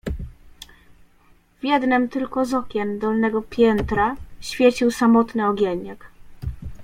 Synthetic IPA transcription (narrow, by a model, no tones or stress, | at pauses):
vʲjɛd̪nɘmt̪ɘlkɔzɔkʲɛmd̪ɔlnɛɡɔpʲjɛnt̪ɾaɕfʲjet͡ɕiwsamɔt̪nɘɔɡʲjeɲak